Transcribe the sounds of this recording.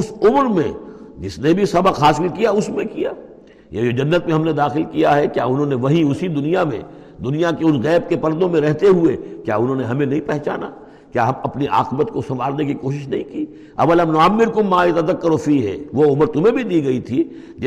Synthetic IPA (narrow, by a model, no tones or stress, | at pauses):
ʊsʊmɾmḛ̃d͡ʒɪsnebʱisɐbəqaːsmikijaʊsmẽkijaː | jed͡ʒod͡ʒɐnːət̪̚mẽɦɐmned̪aːxɪlkijaɦɛkja̰ːʊnɦõːneʋɐɦĩʊsid̪ʊnijamḛ̃ | d̪ʊnijakeʊnɣɛːb̚kepɐɾd̪õmẽɾɛɦt̪eɦuekja̰ːʊnɦõːneɦɐmẽnɐɦĩpɛɦt͡ʃaːna̰ | kjaːɦɐmɐpniʔa̰ːqɪbət̪kosɐ̃ʋaːɾnekikoːʃɪʃnɐɦĩkiː | ɐ̰ʋɐlɐmnʊamːɪɾkomaːɪt̪ɐd̪ɐkːəɾofiːɦɛ̰ːʋoʊmɾt̪ʊmẽbʱid̪iːɡɐit̪ʰi | d͡ʒ